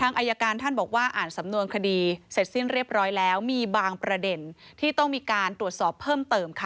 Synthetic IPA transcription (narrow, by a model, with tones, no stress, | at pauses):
t̪ʰaː˧ŋʔa˧ja˧kaː˧nt̪ʰa˥˩nbɔː˨˩k̚waː˥˩ʔaː˨˩nsa˩˦mnu˧ənkʰa˧diː˧se˨˩t̪̚si˥˩nɾi˥˩əp̚ɾɔː˦˥jlɛː˦˥wmiː˧baː˧ŋpɾa˧de˧nt̪ʰiː˥˩t̪ɔ˥˩ŋmiː˧kaː˧nt̪ɾu˨˩ət̪̚sɔː˨˩pʰːɤː˥˩mt̪ɤː˧mkʰa˦˥˩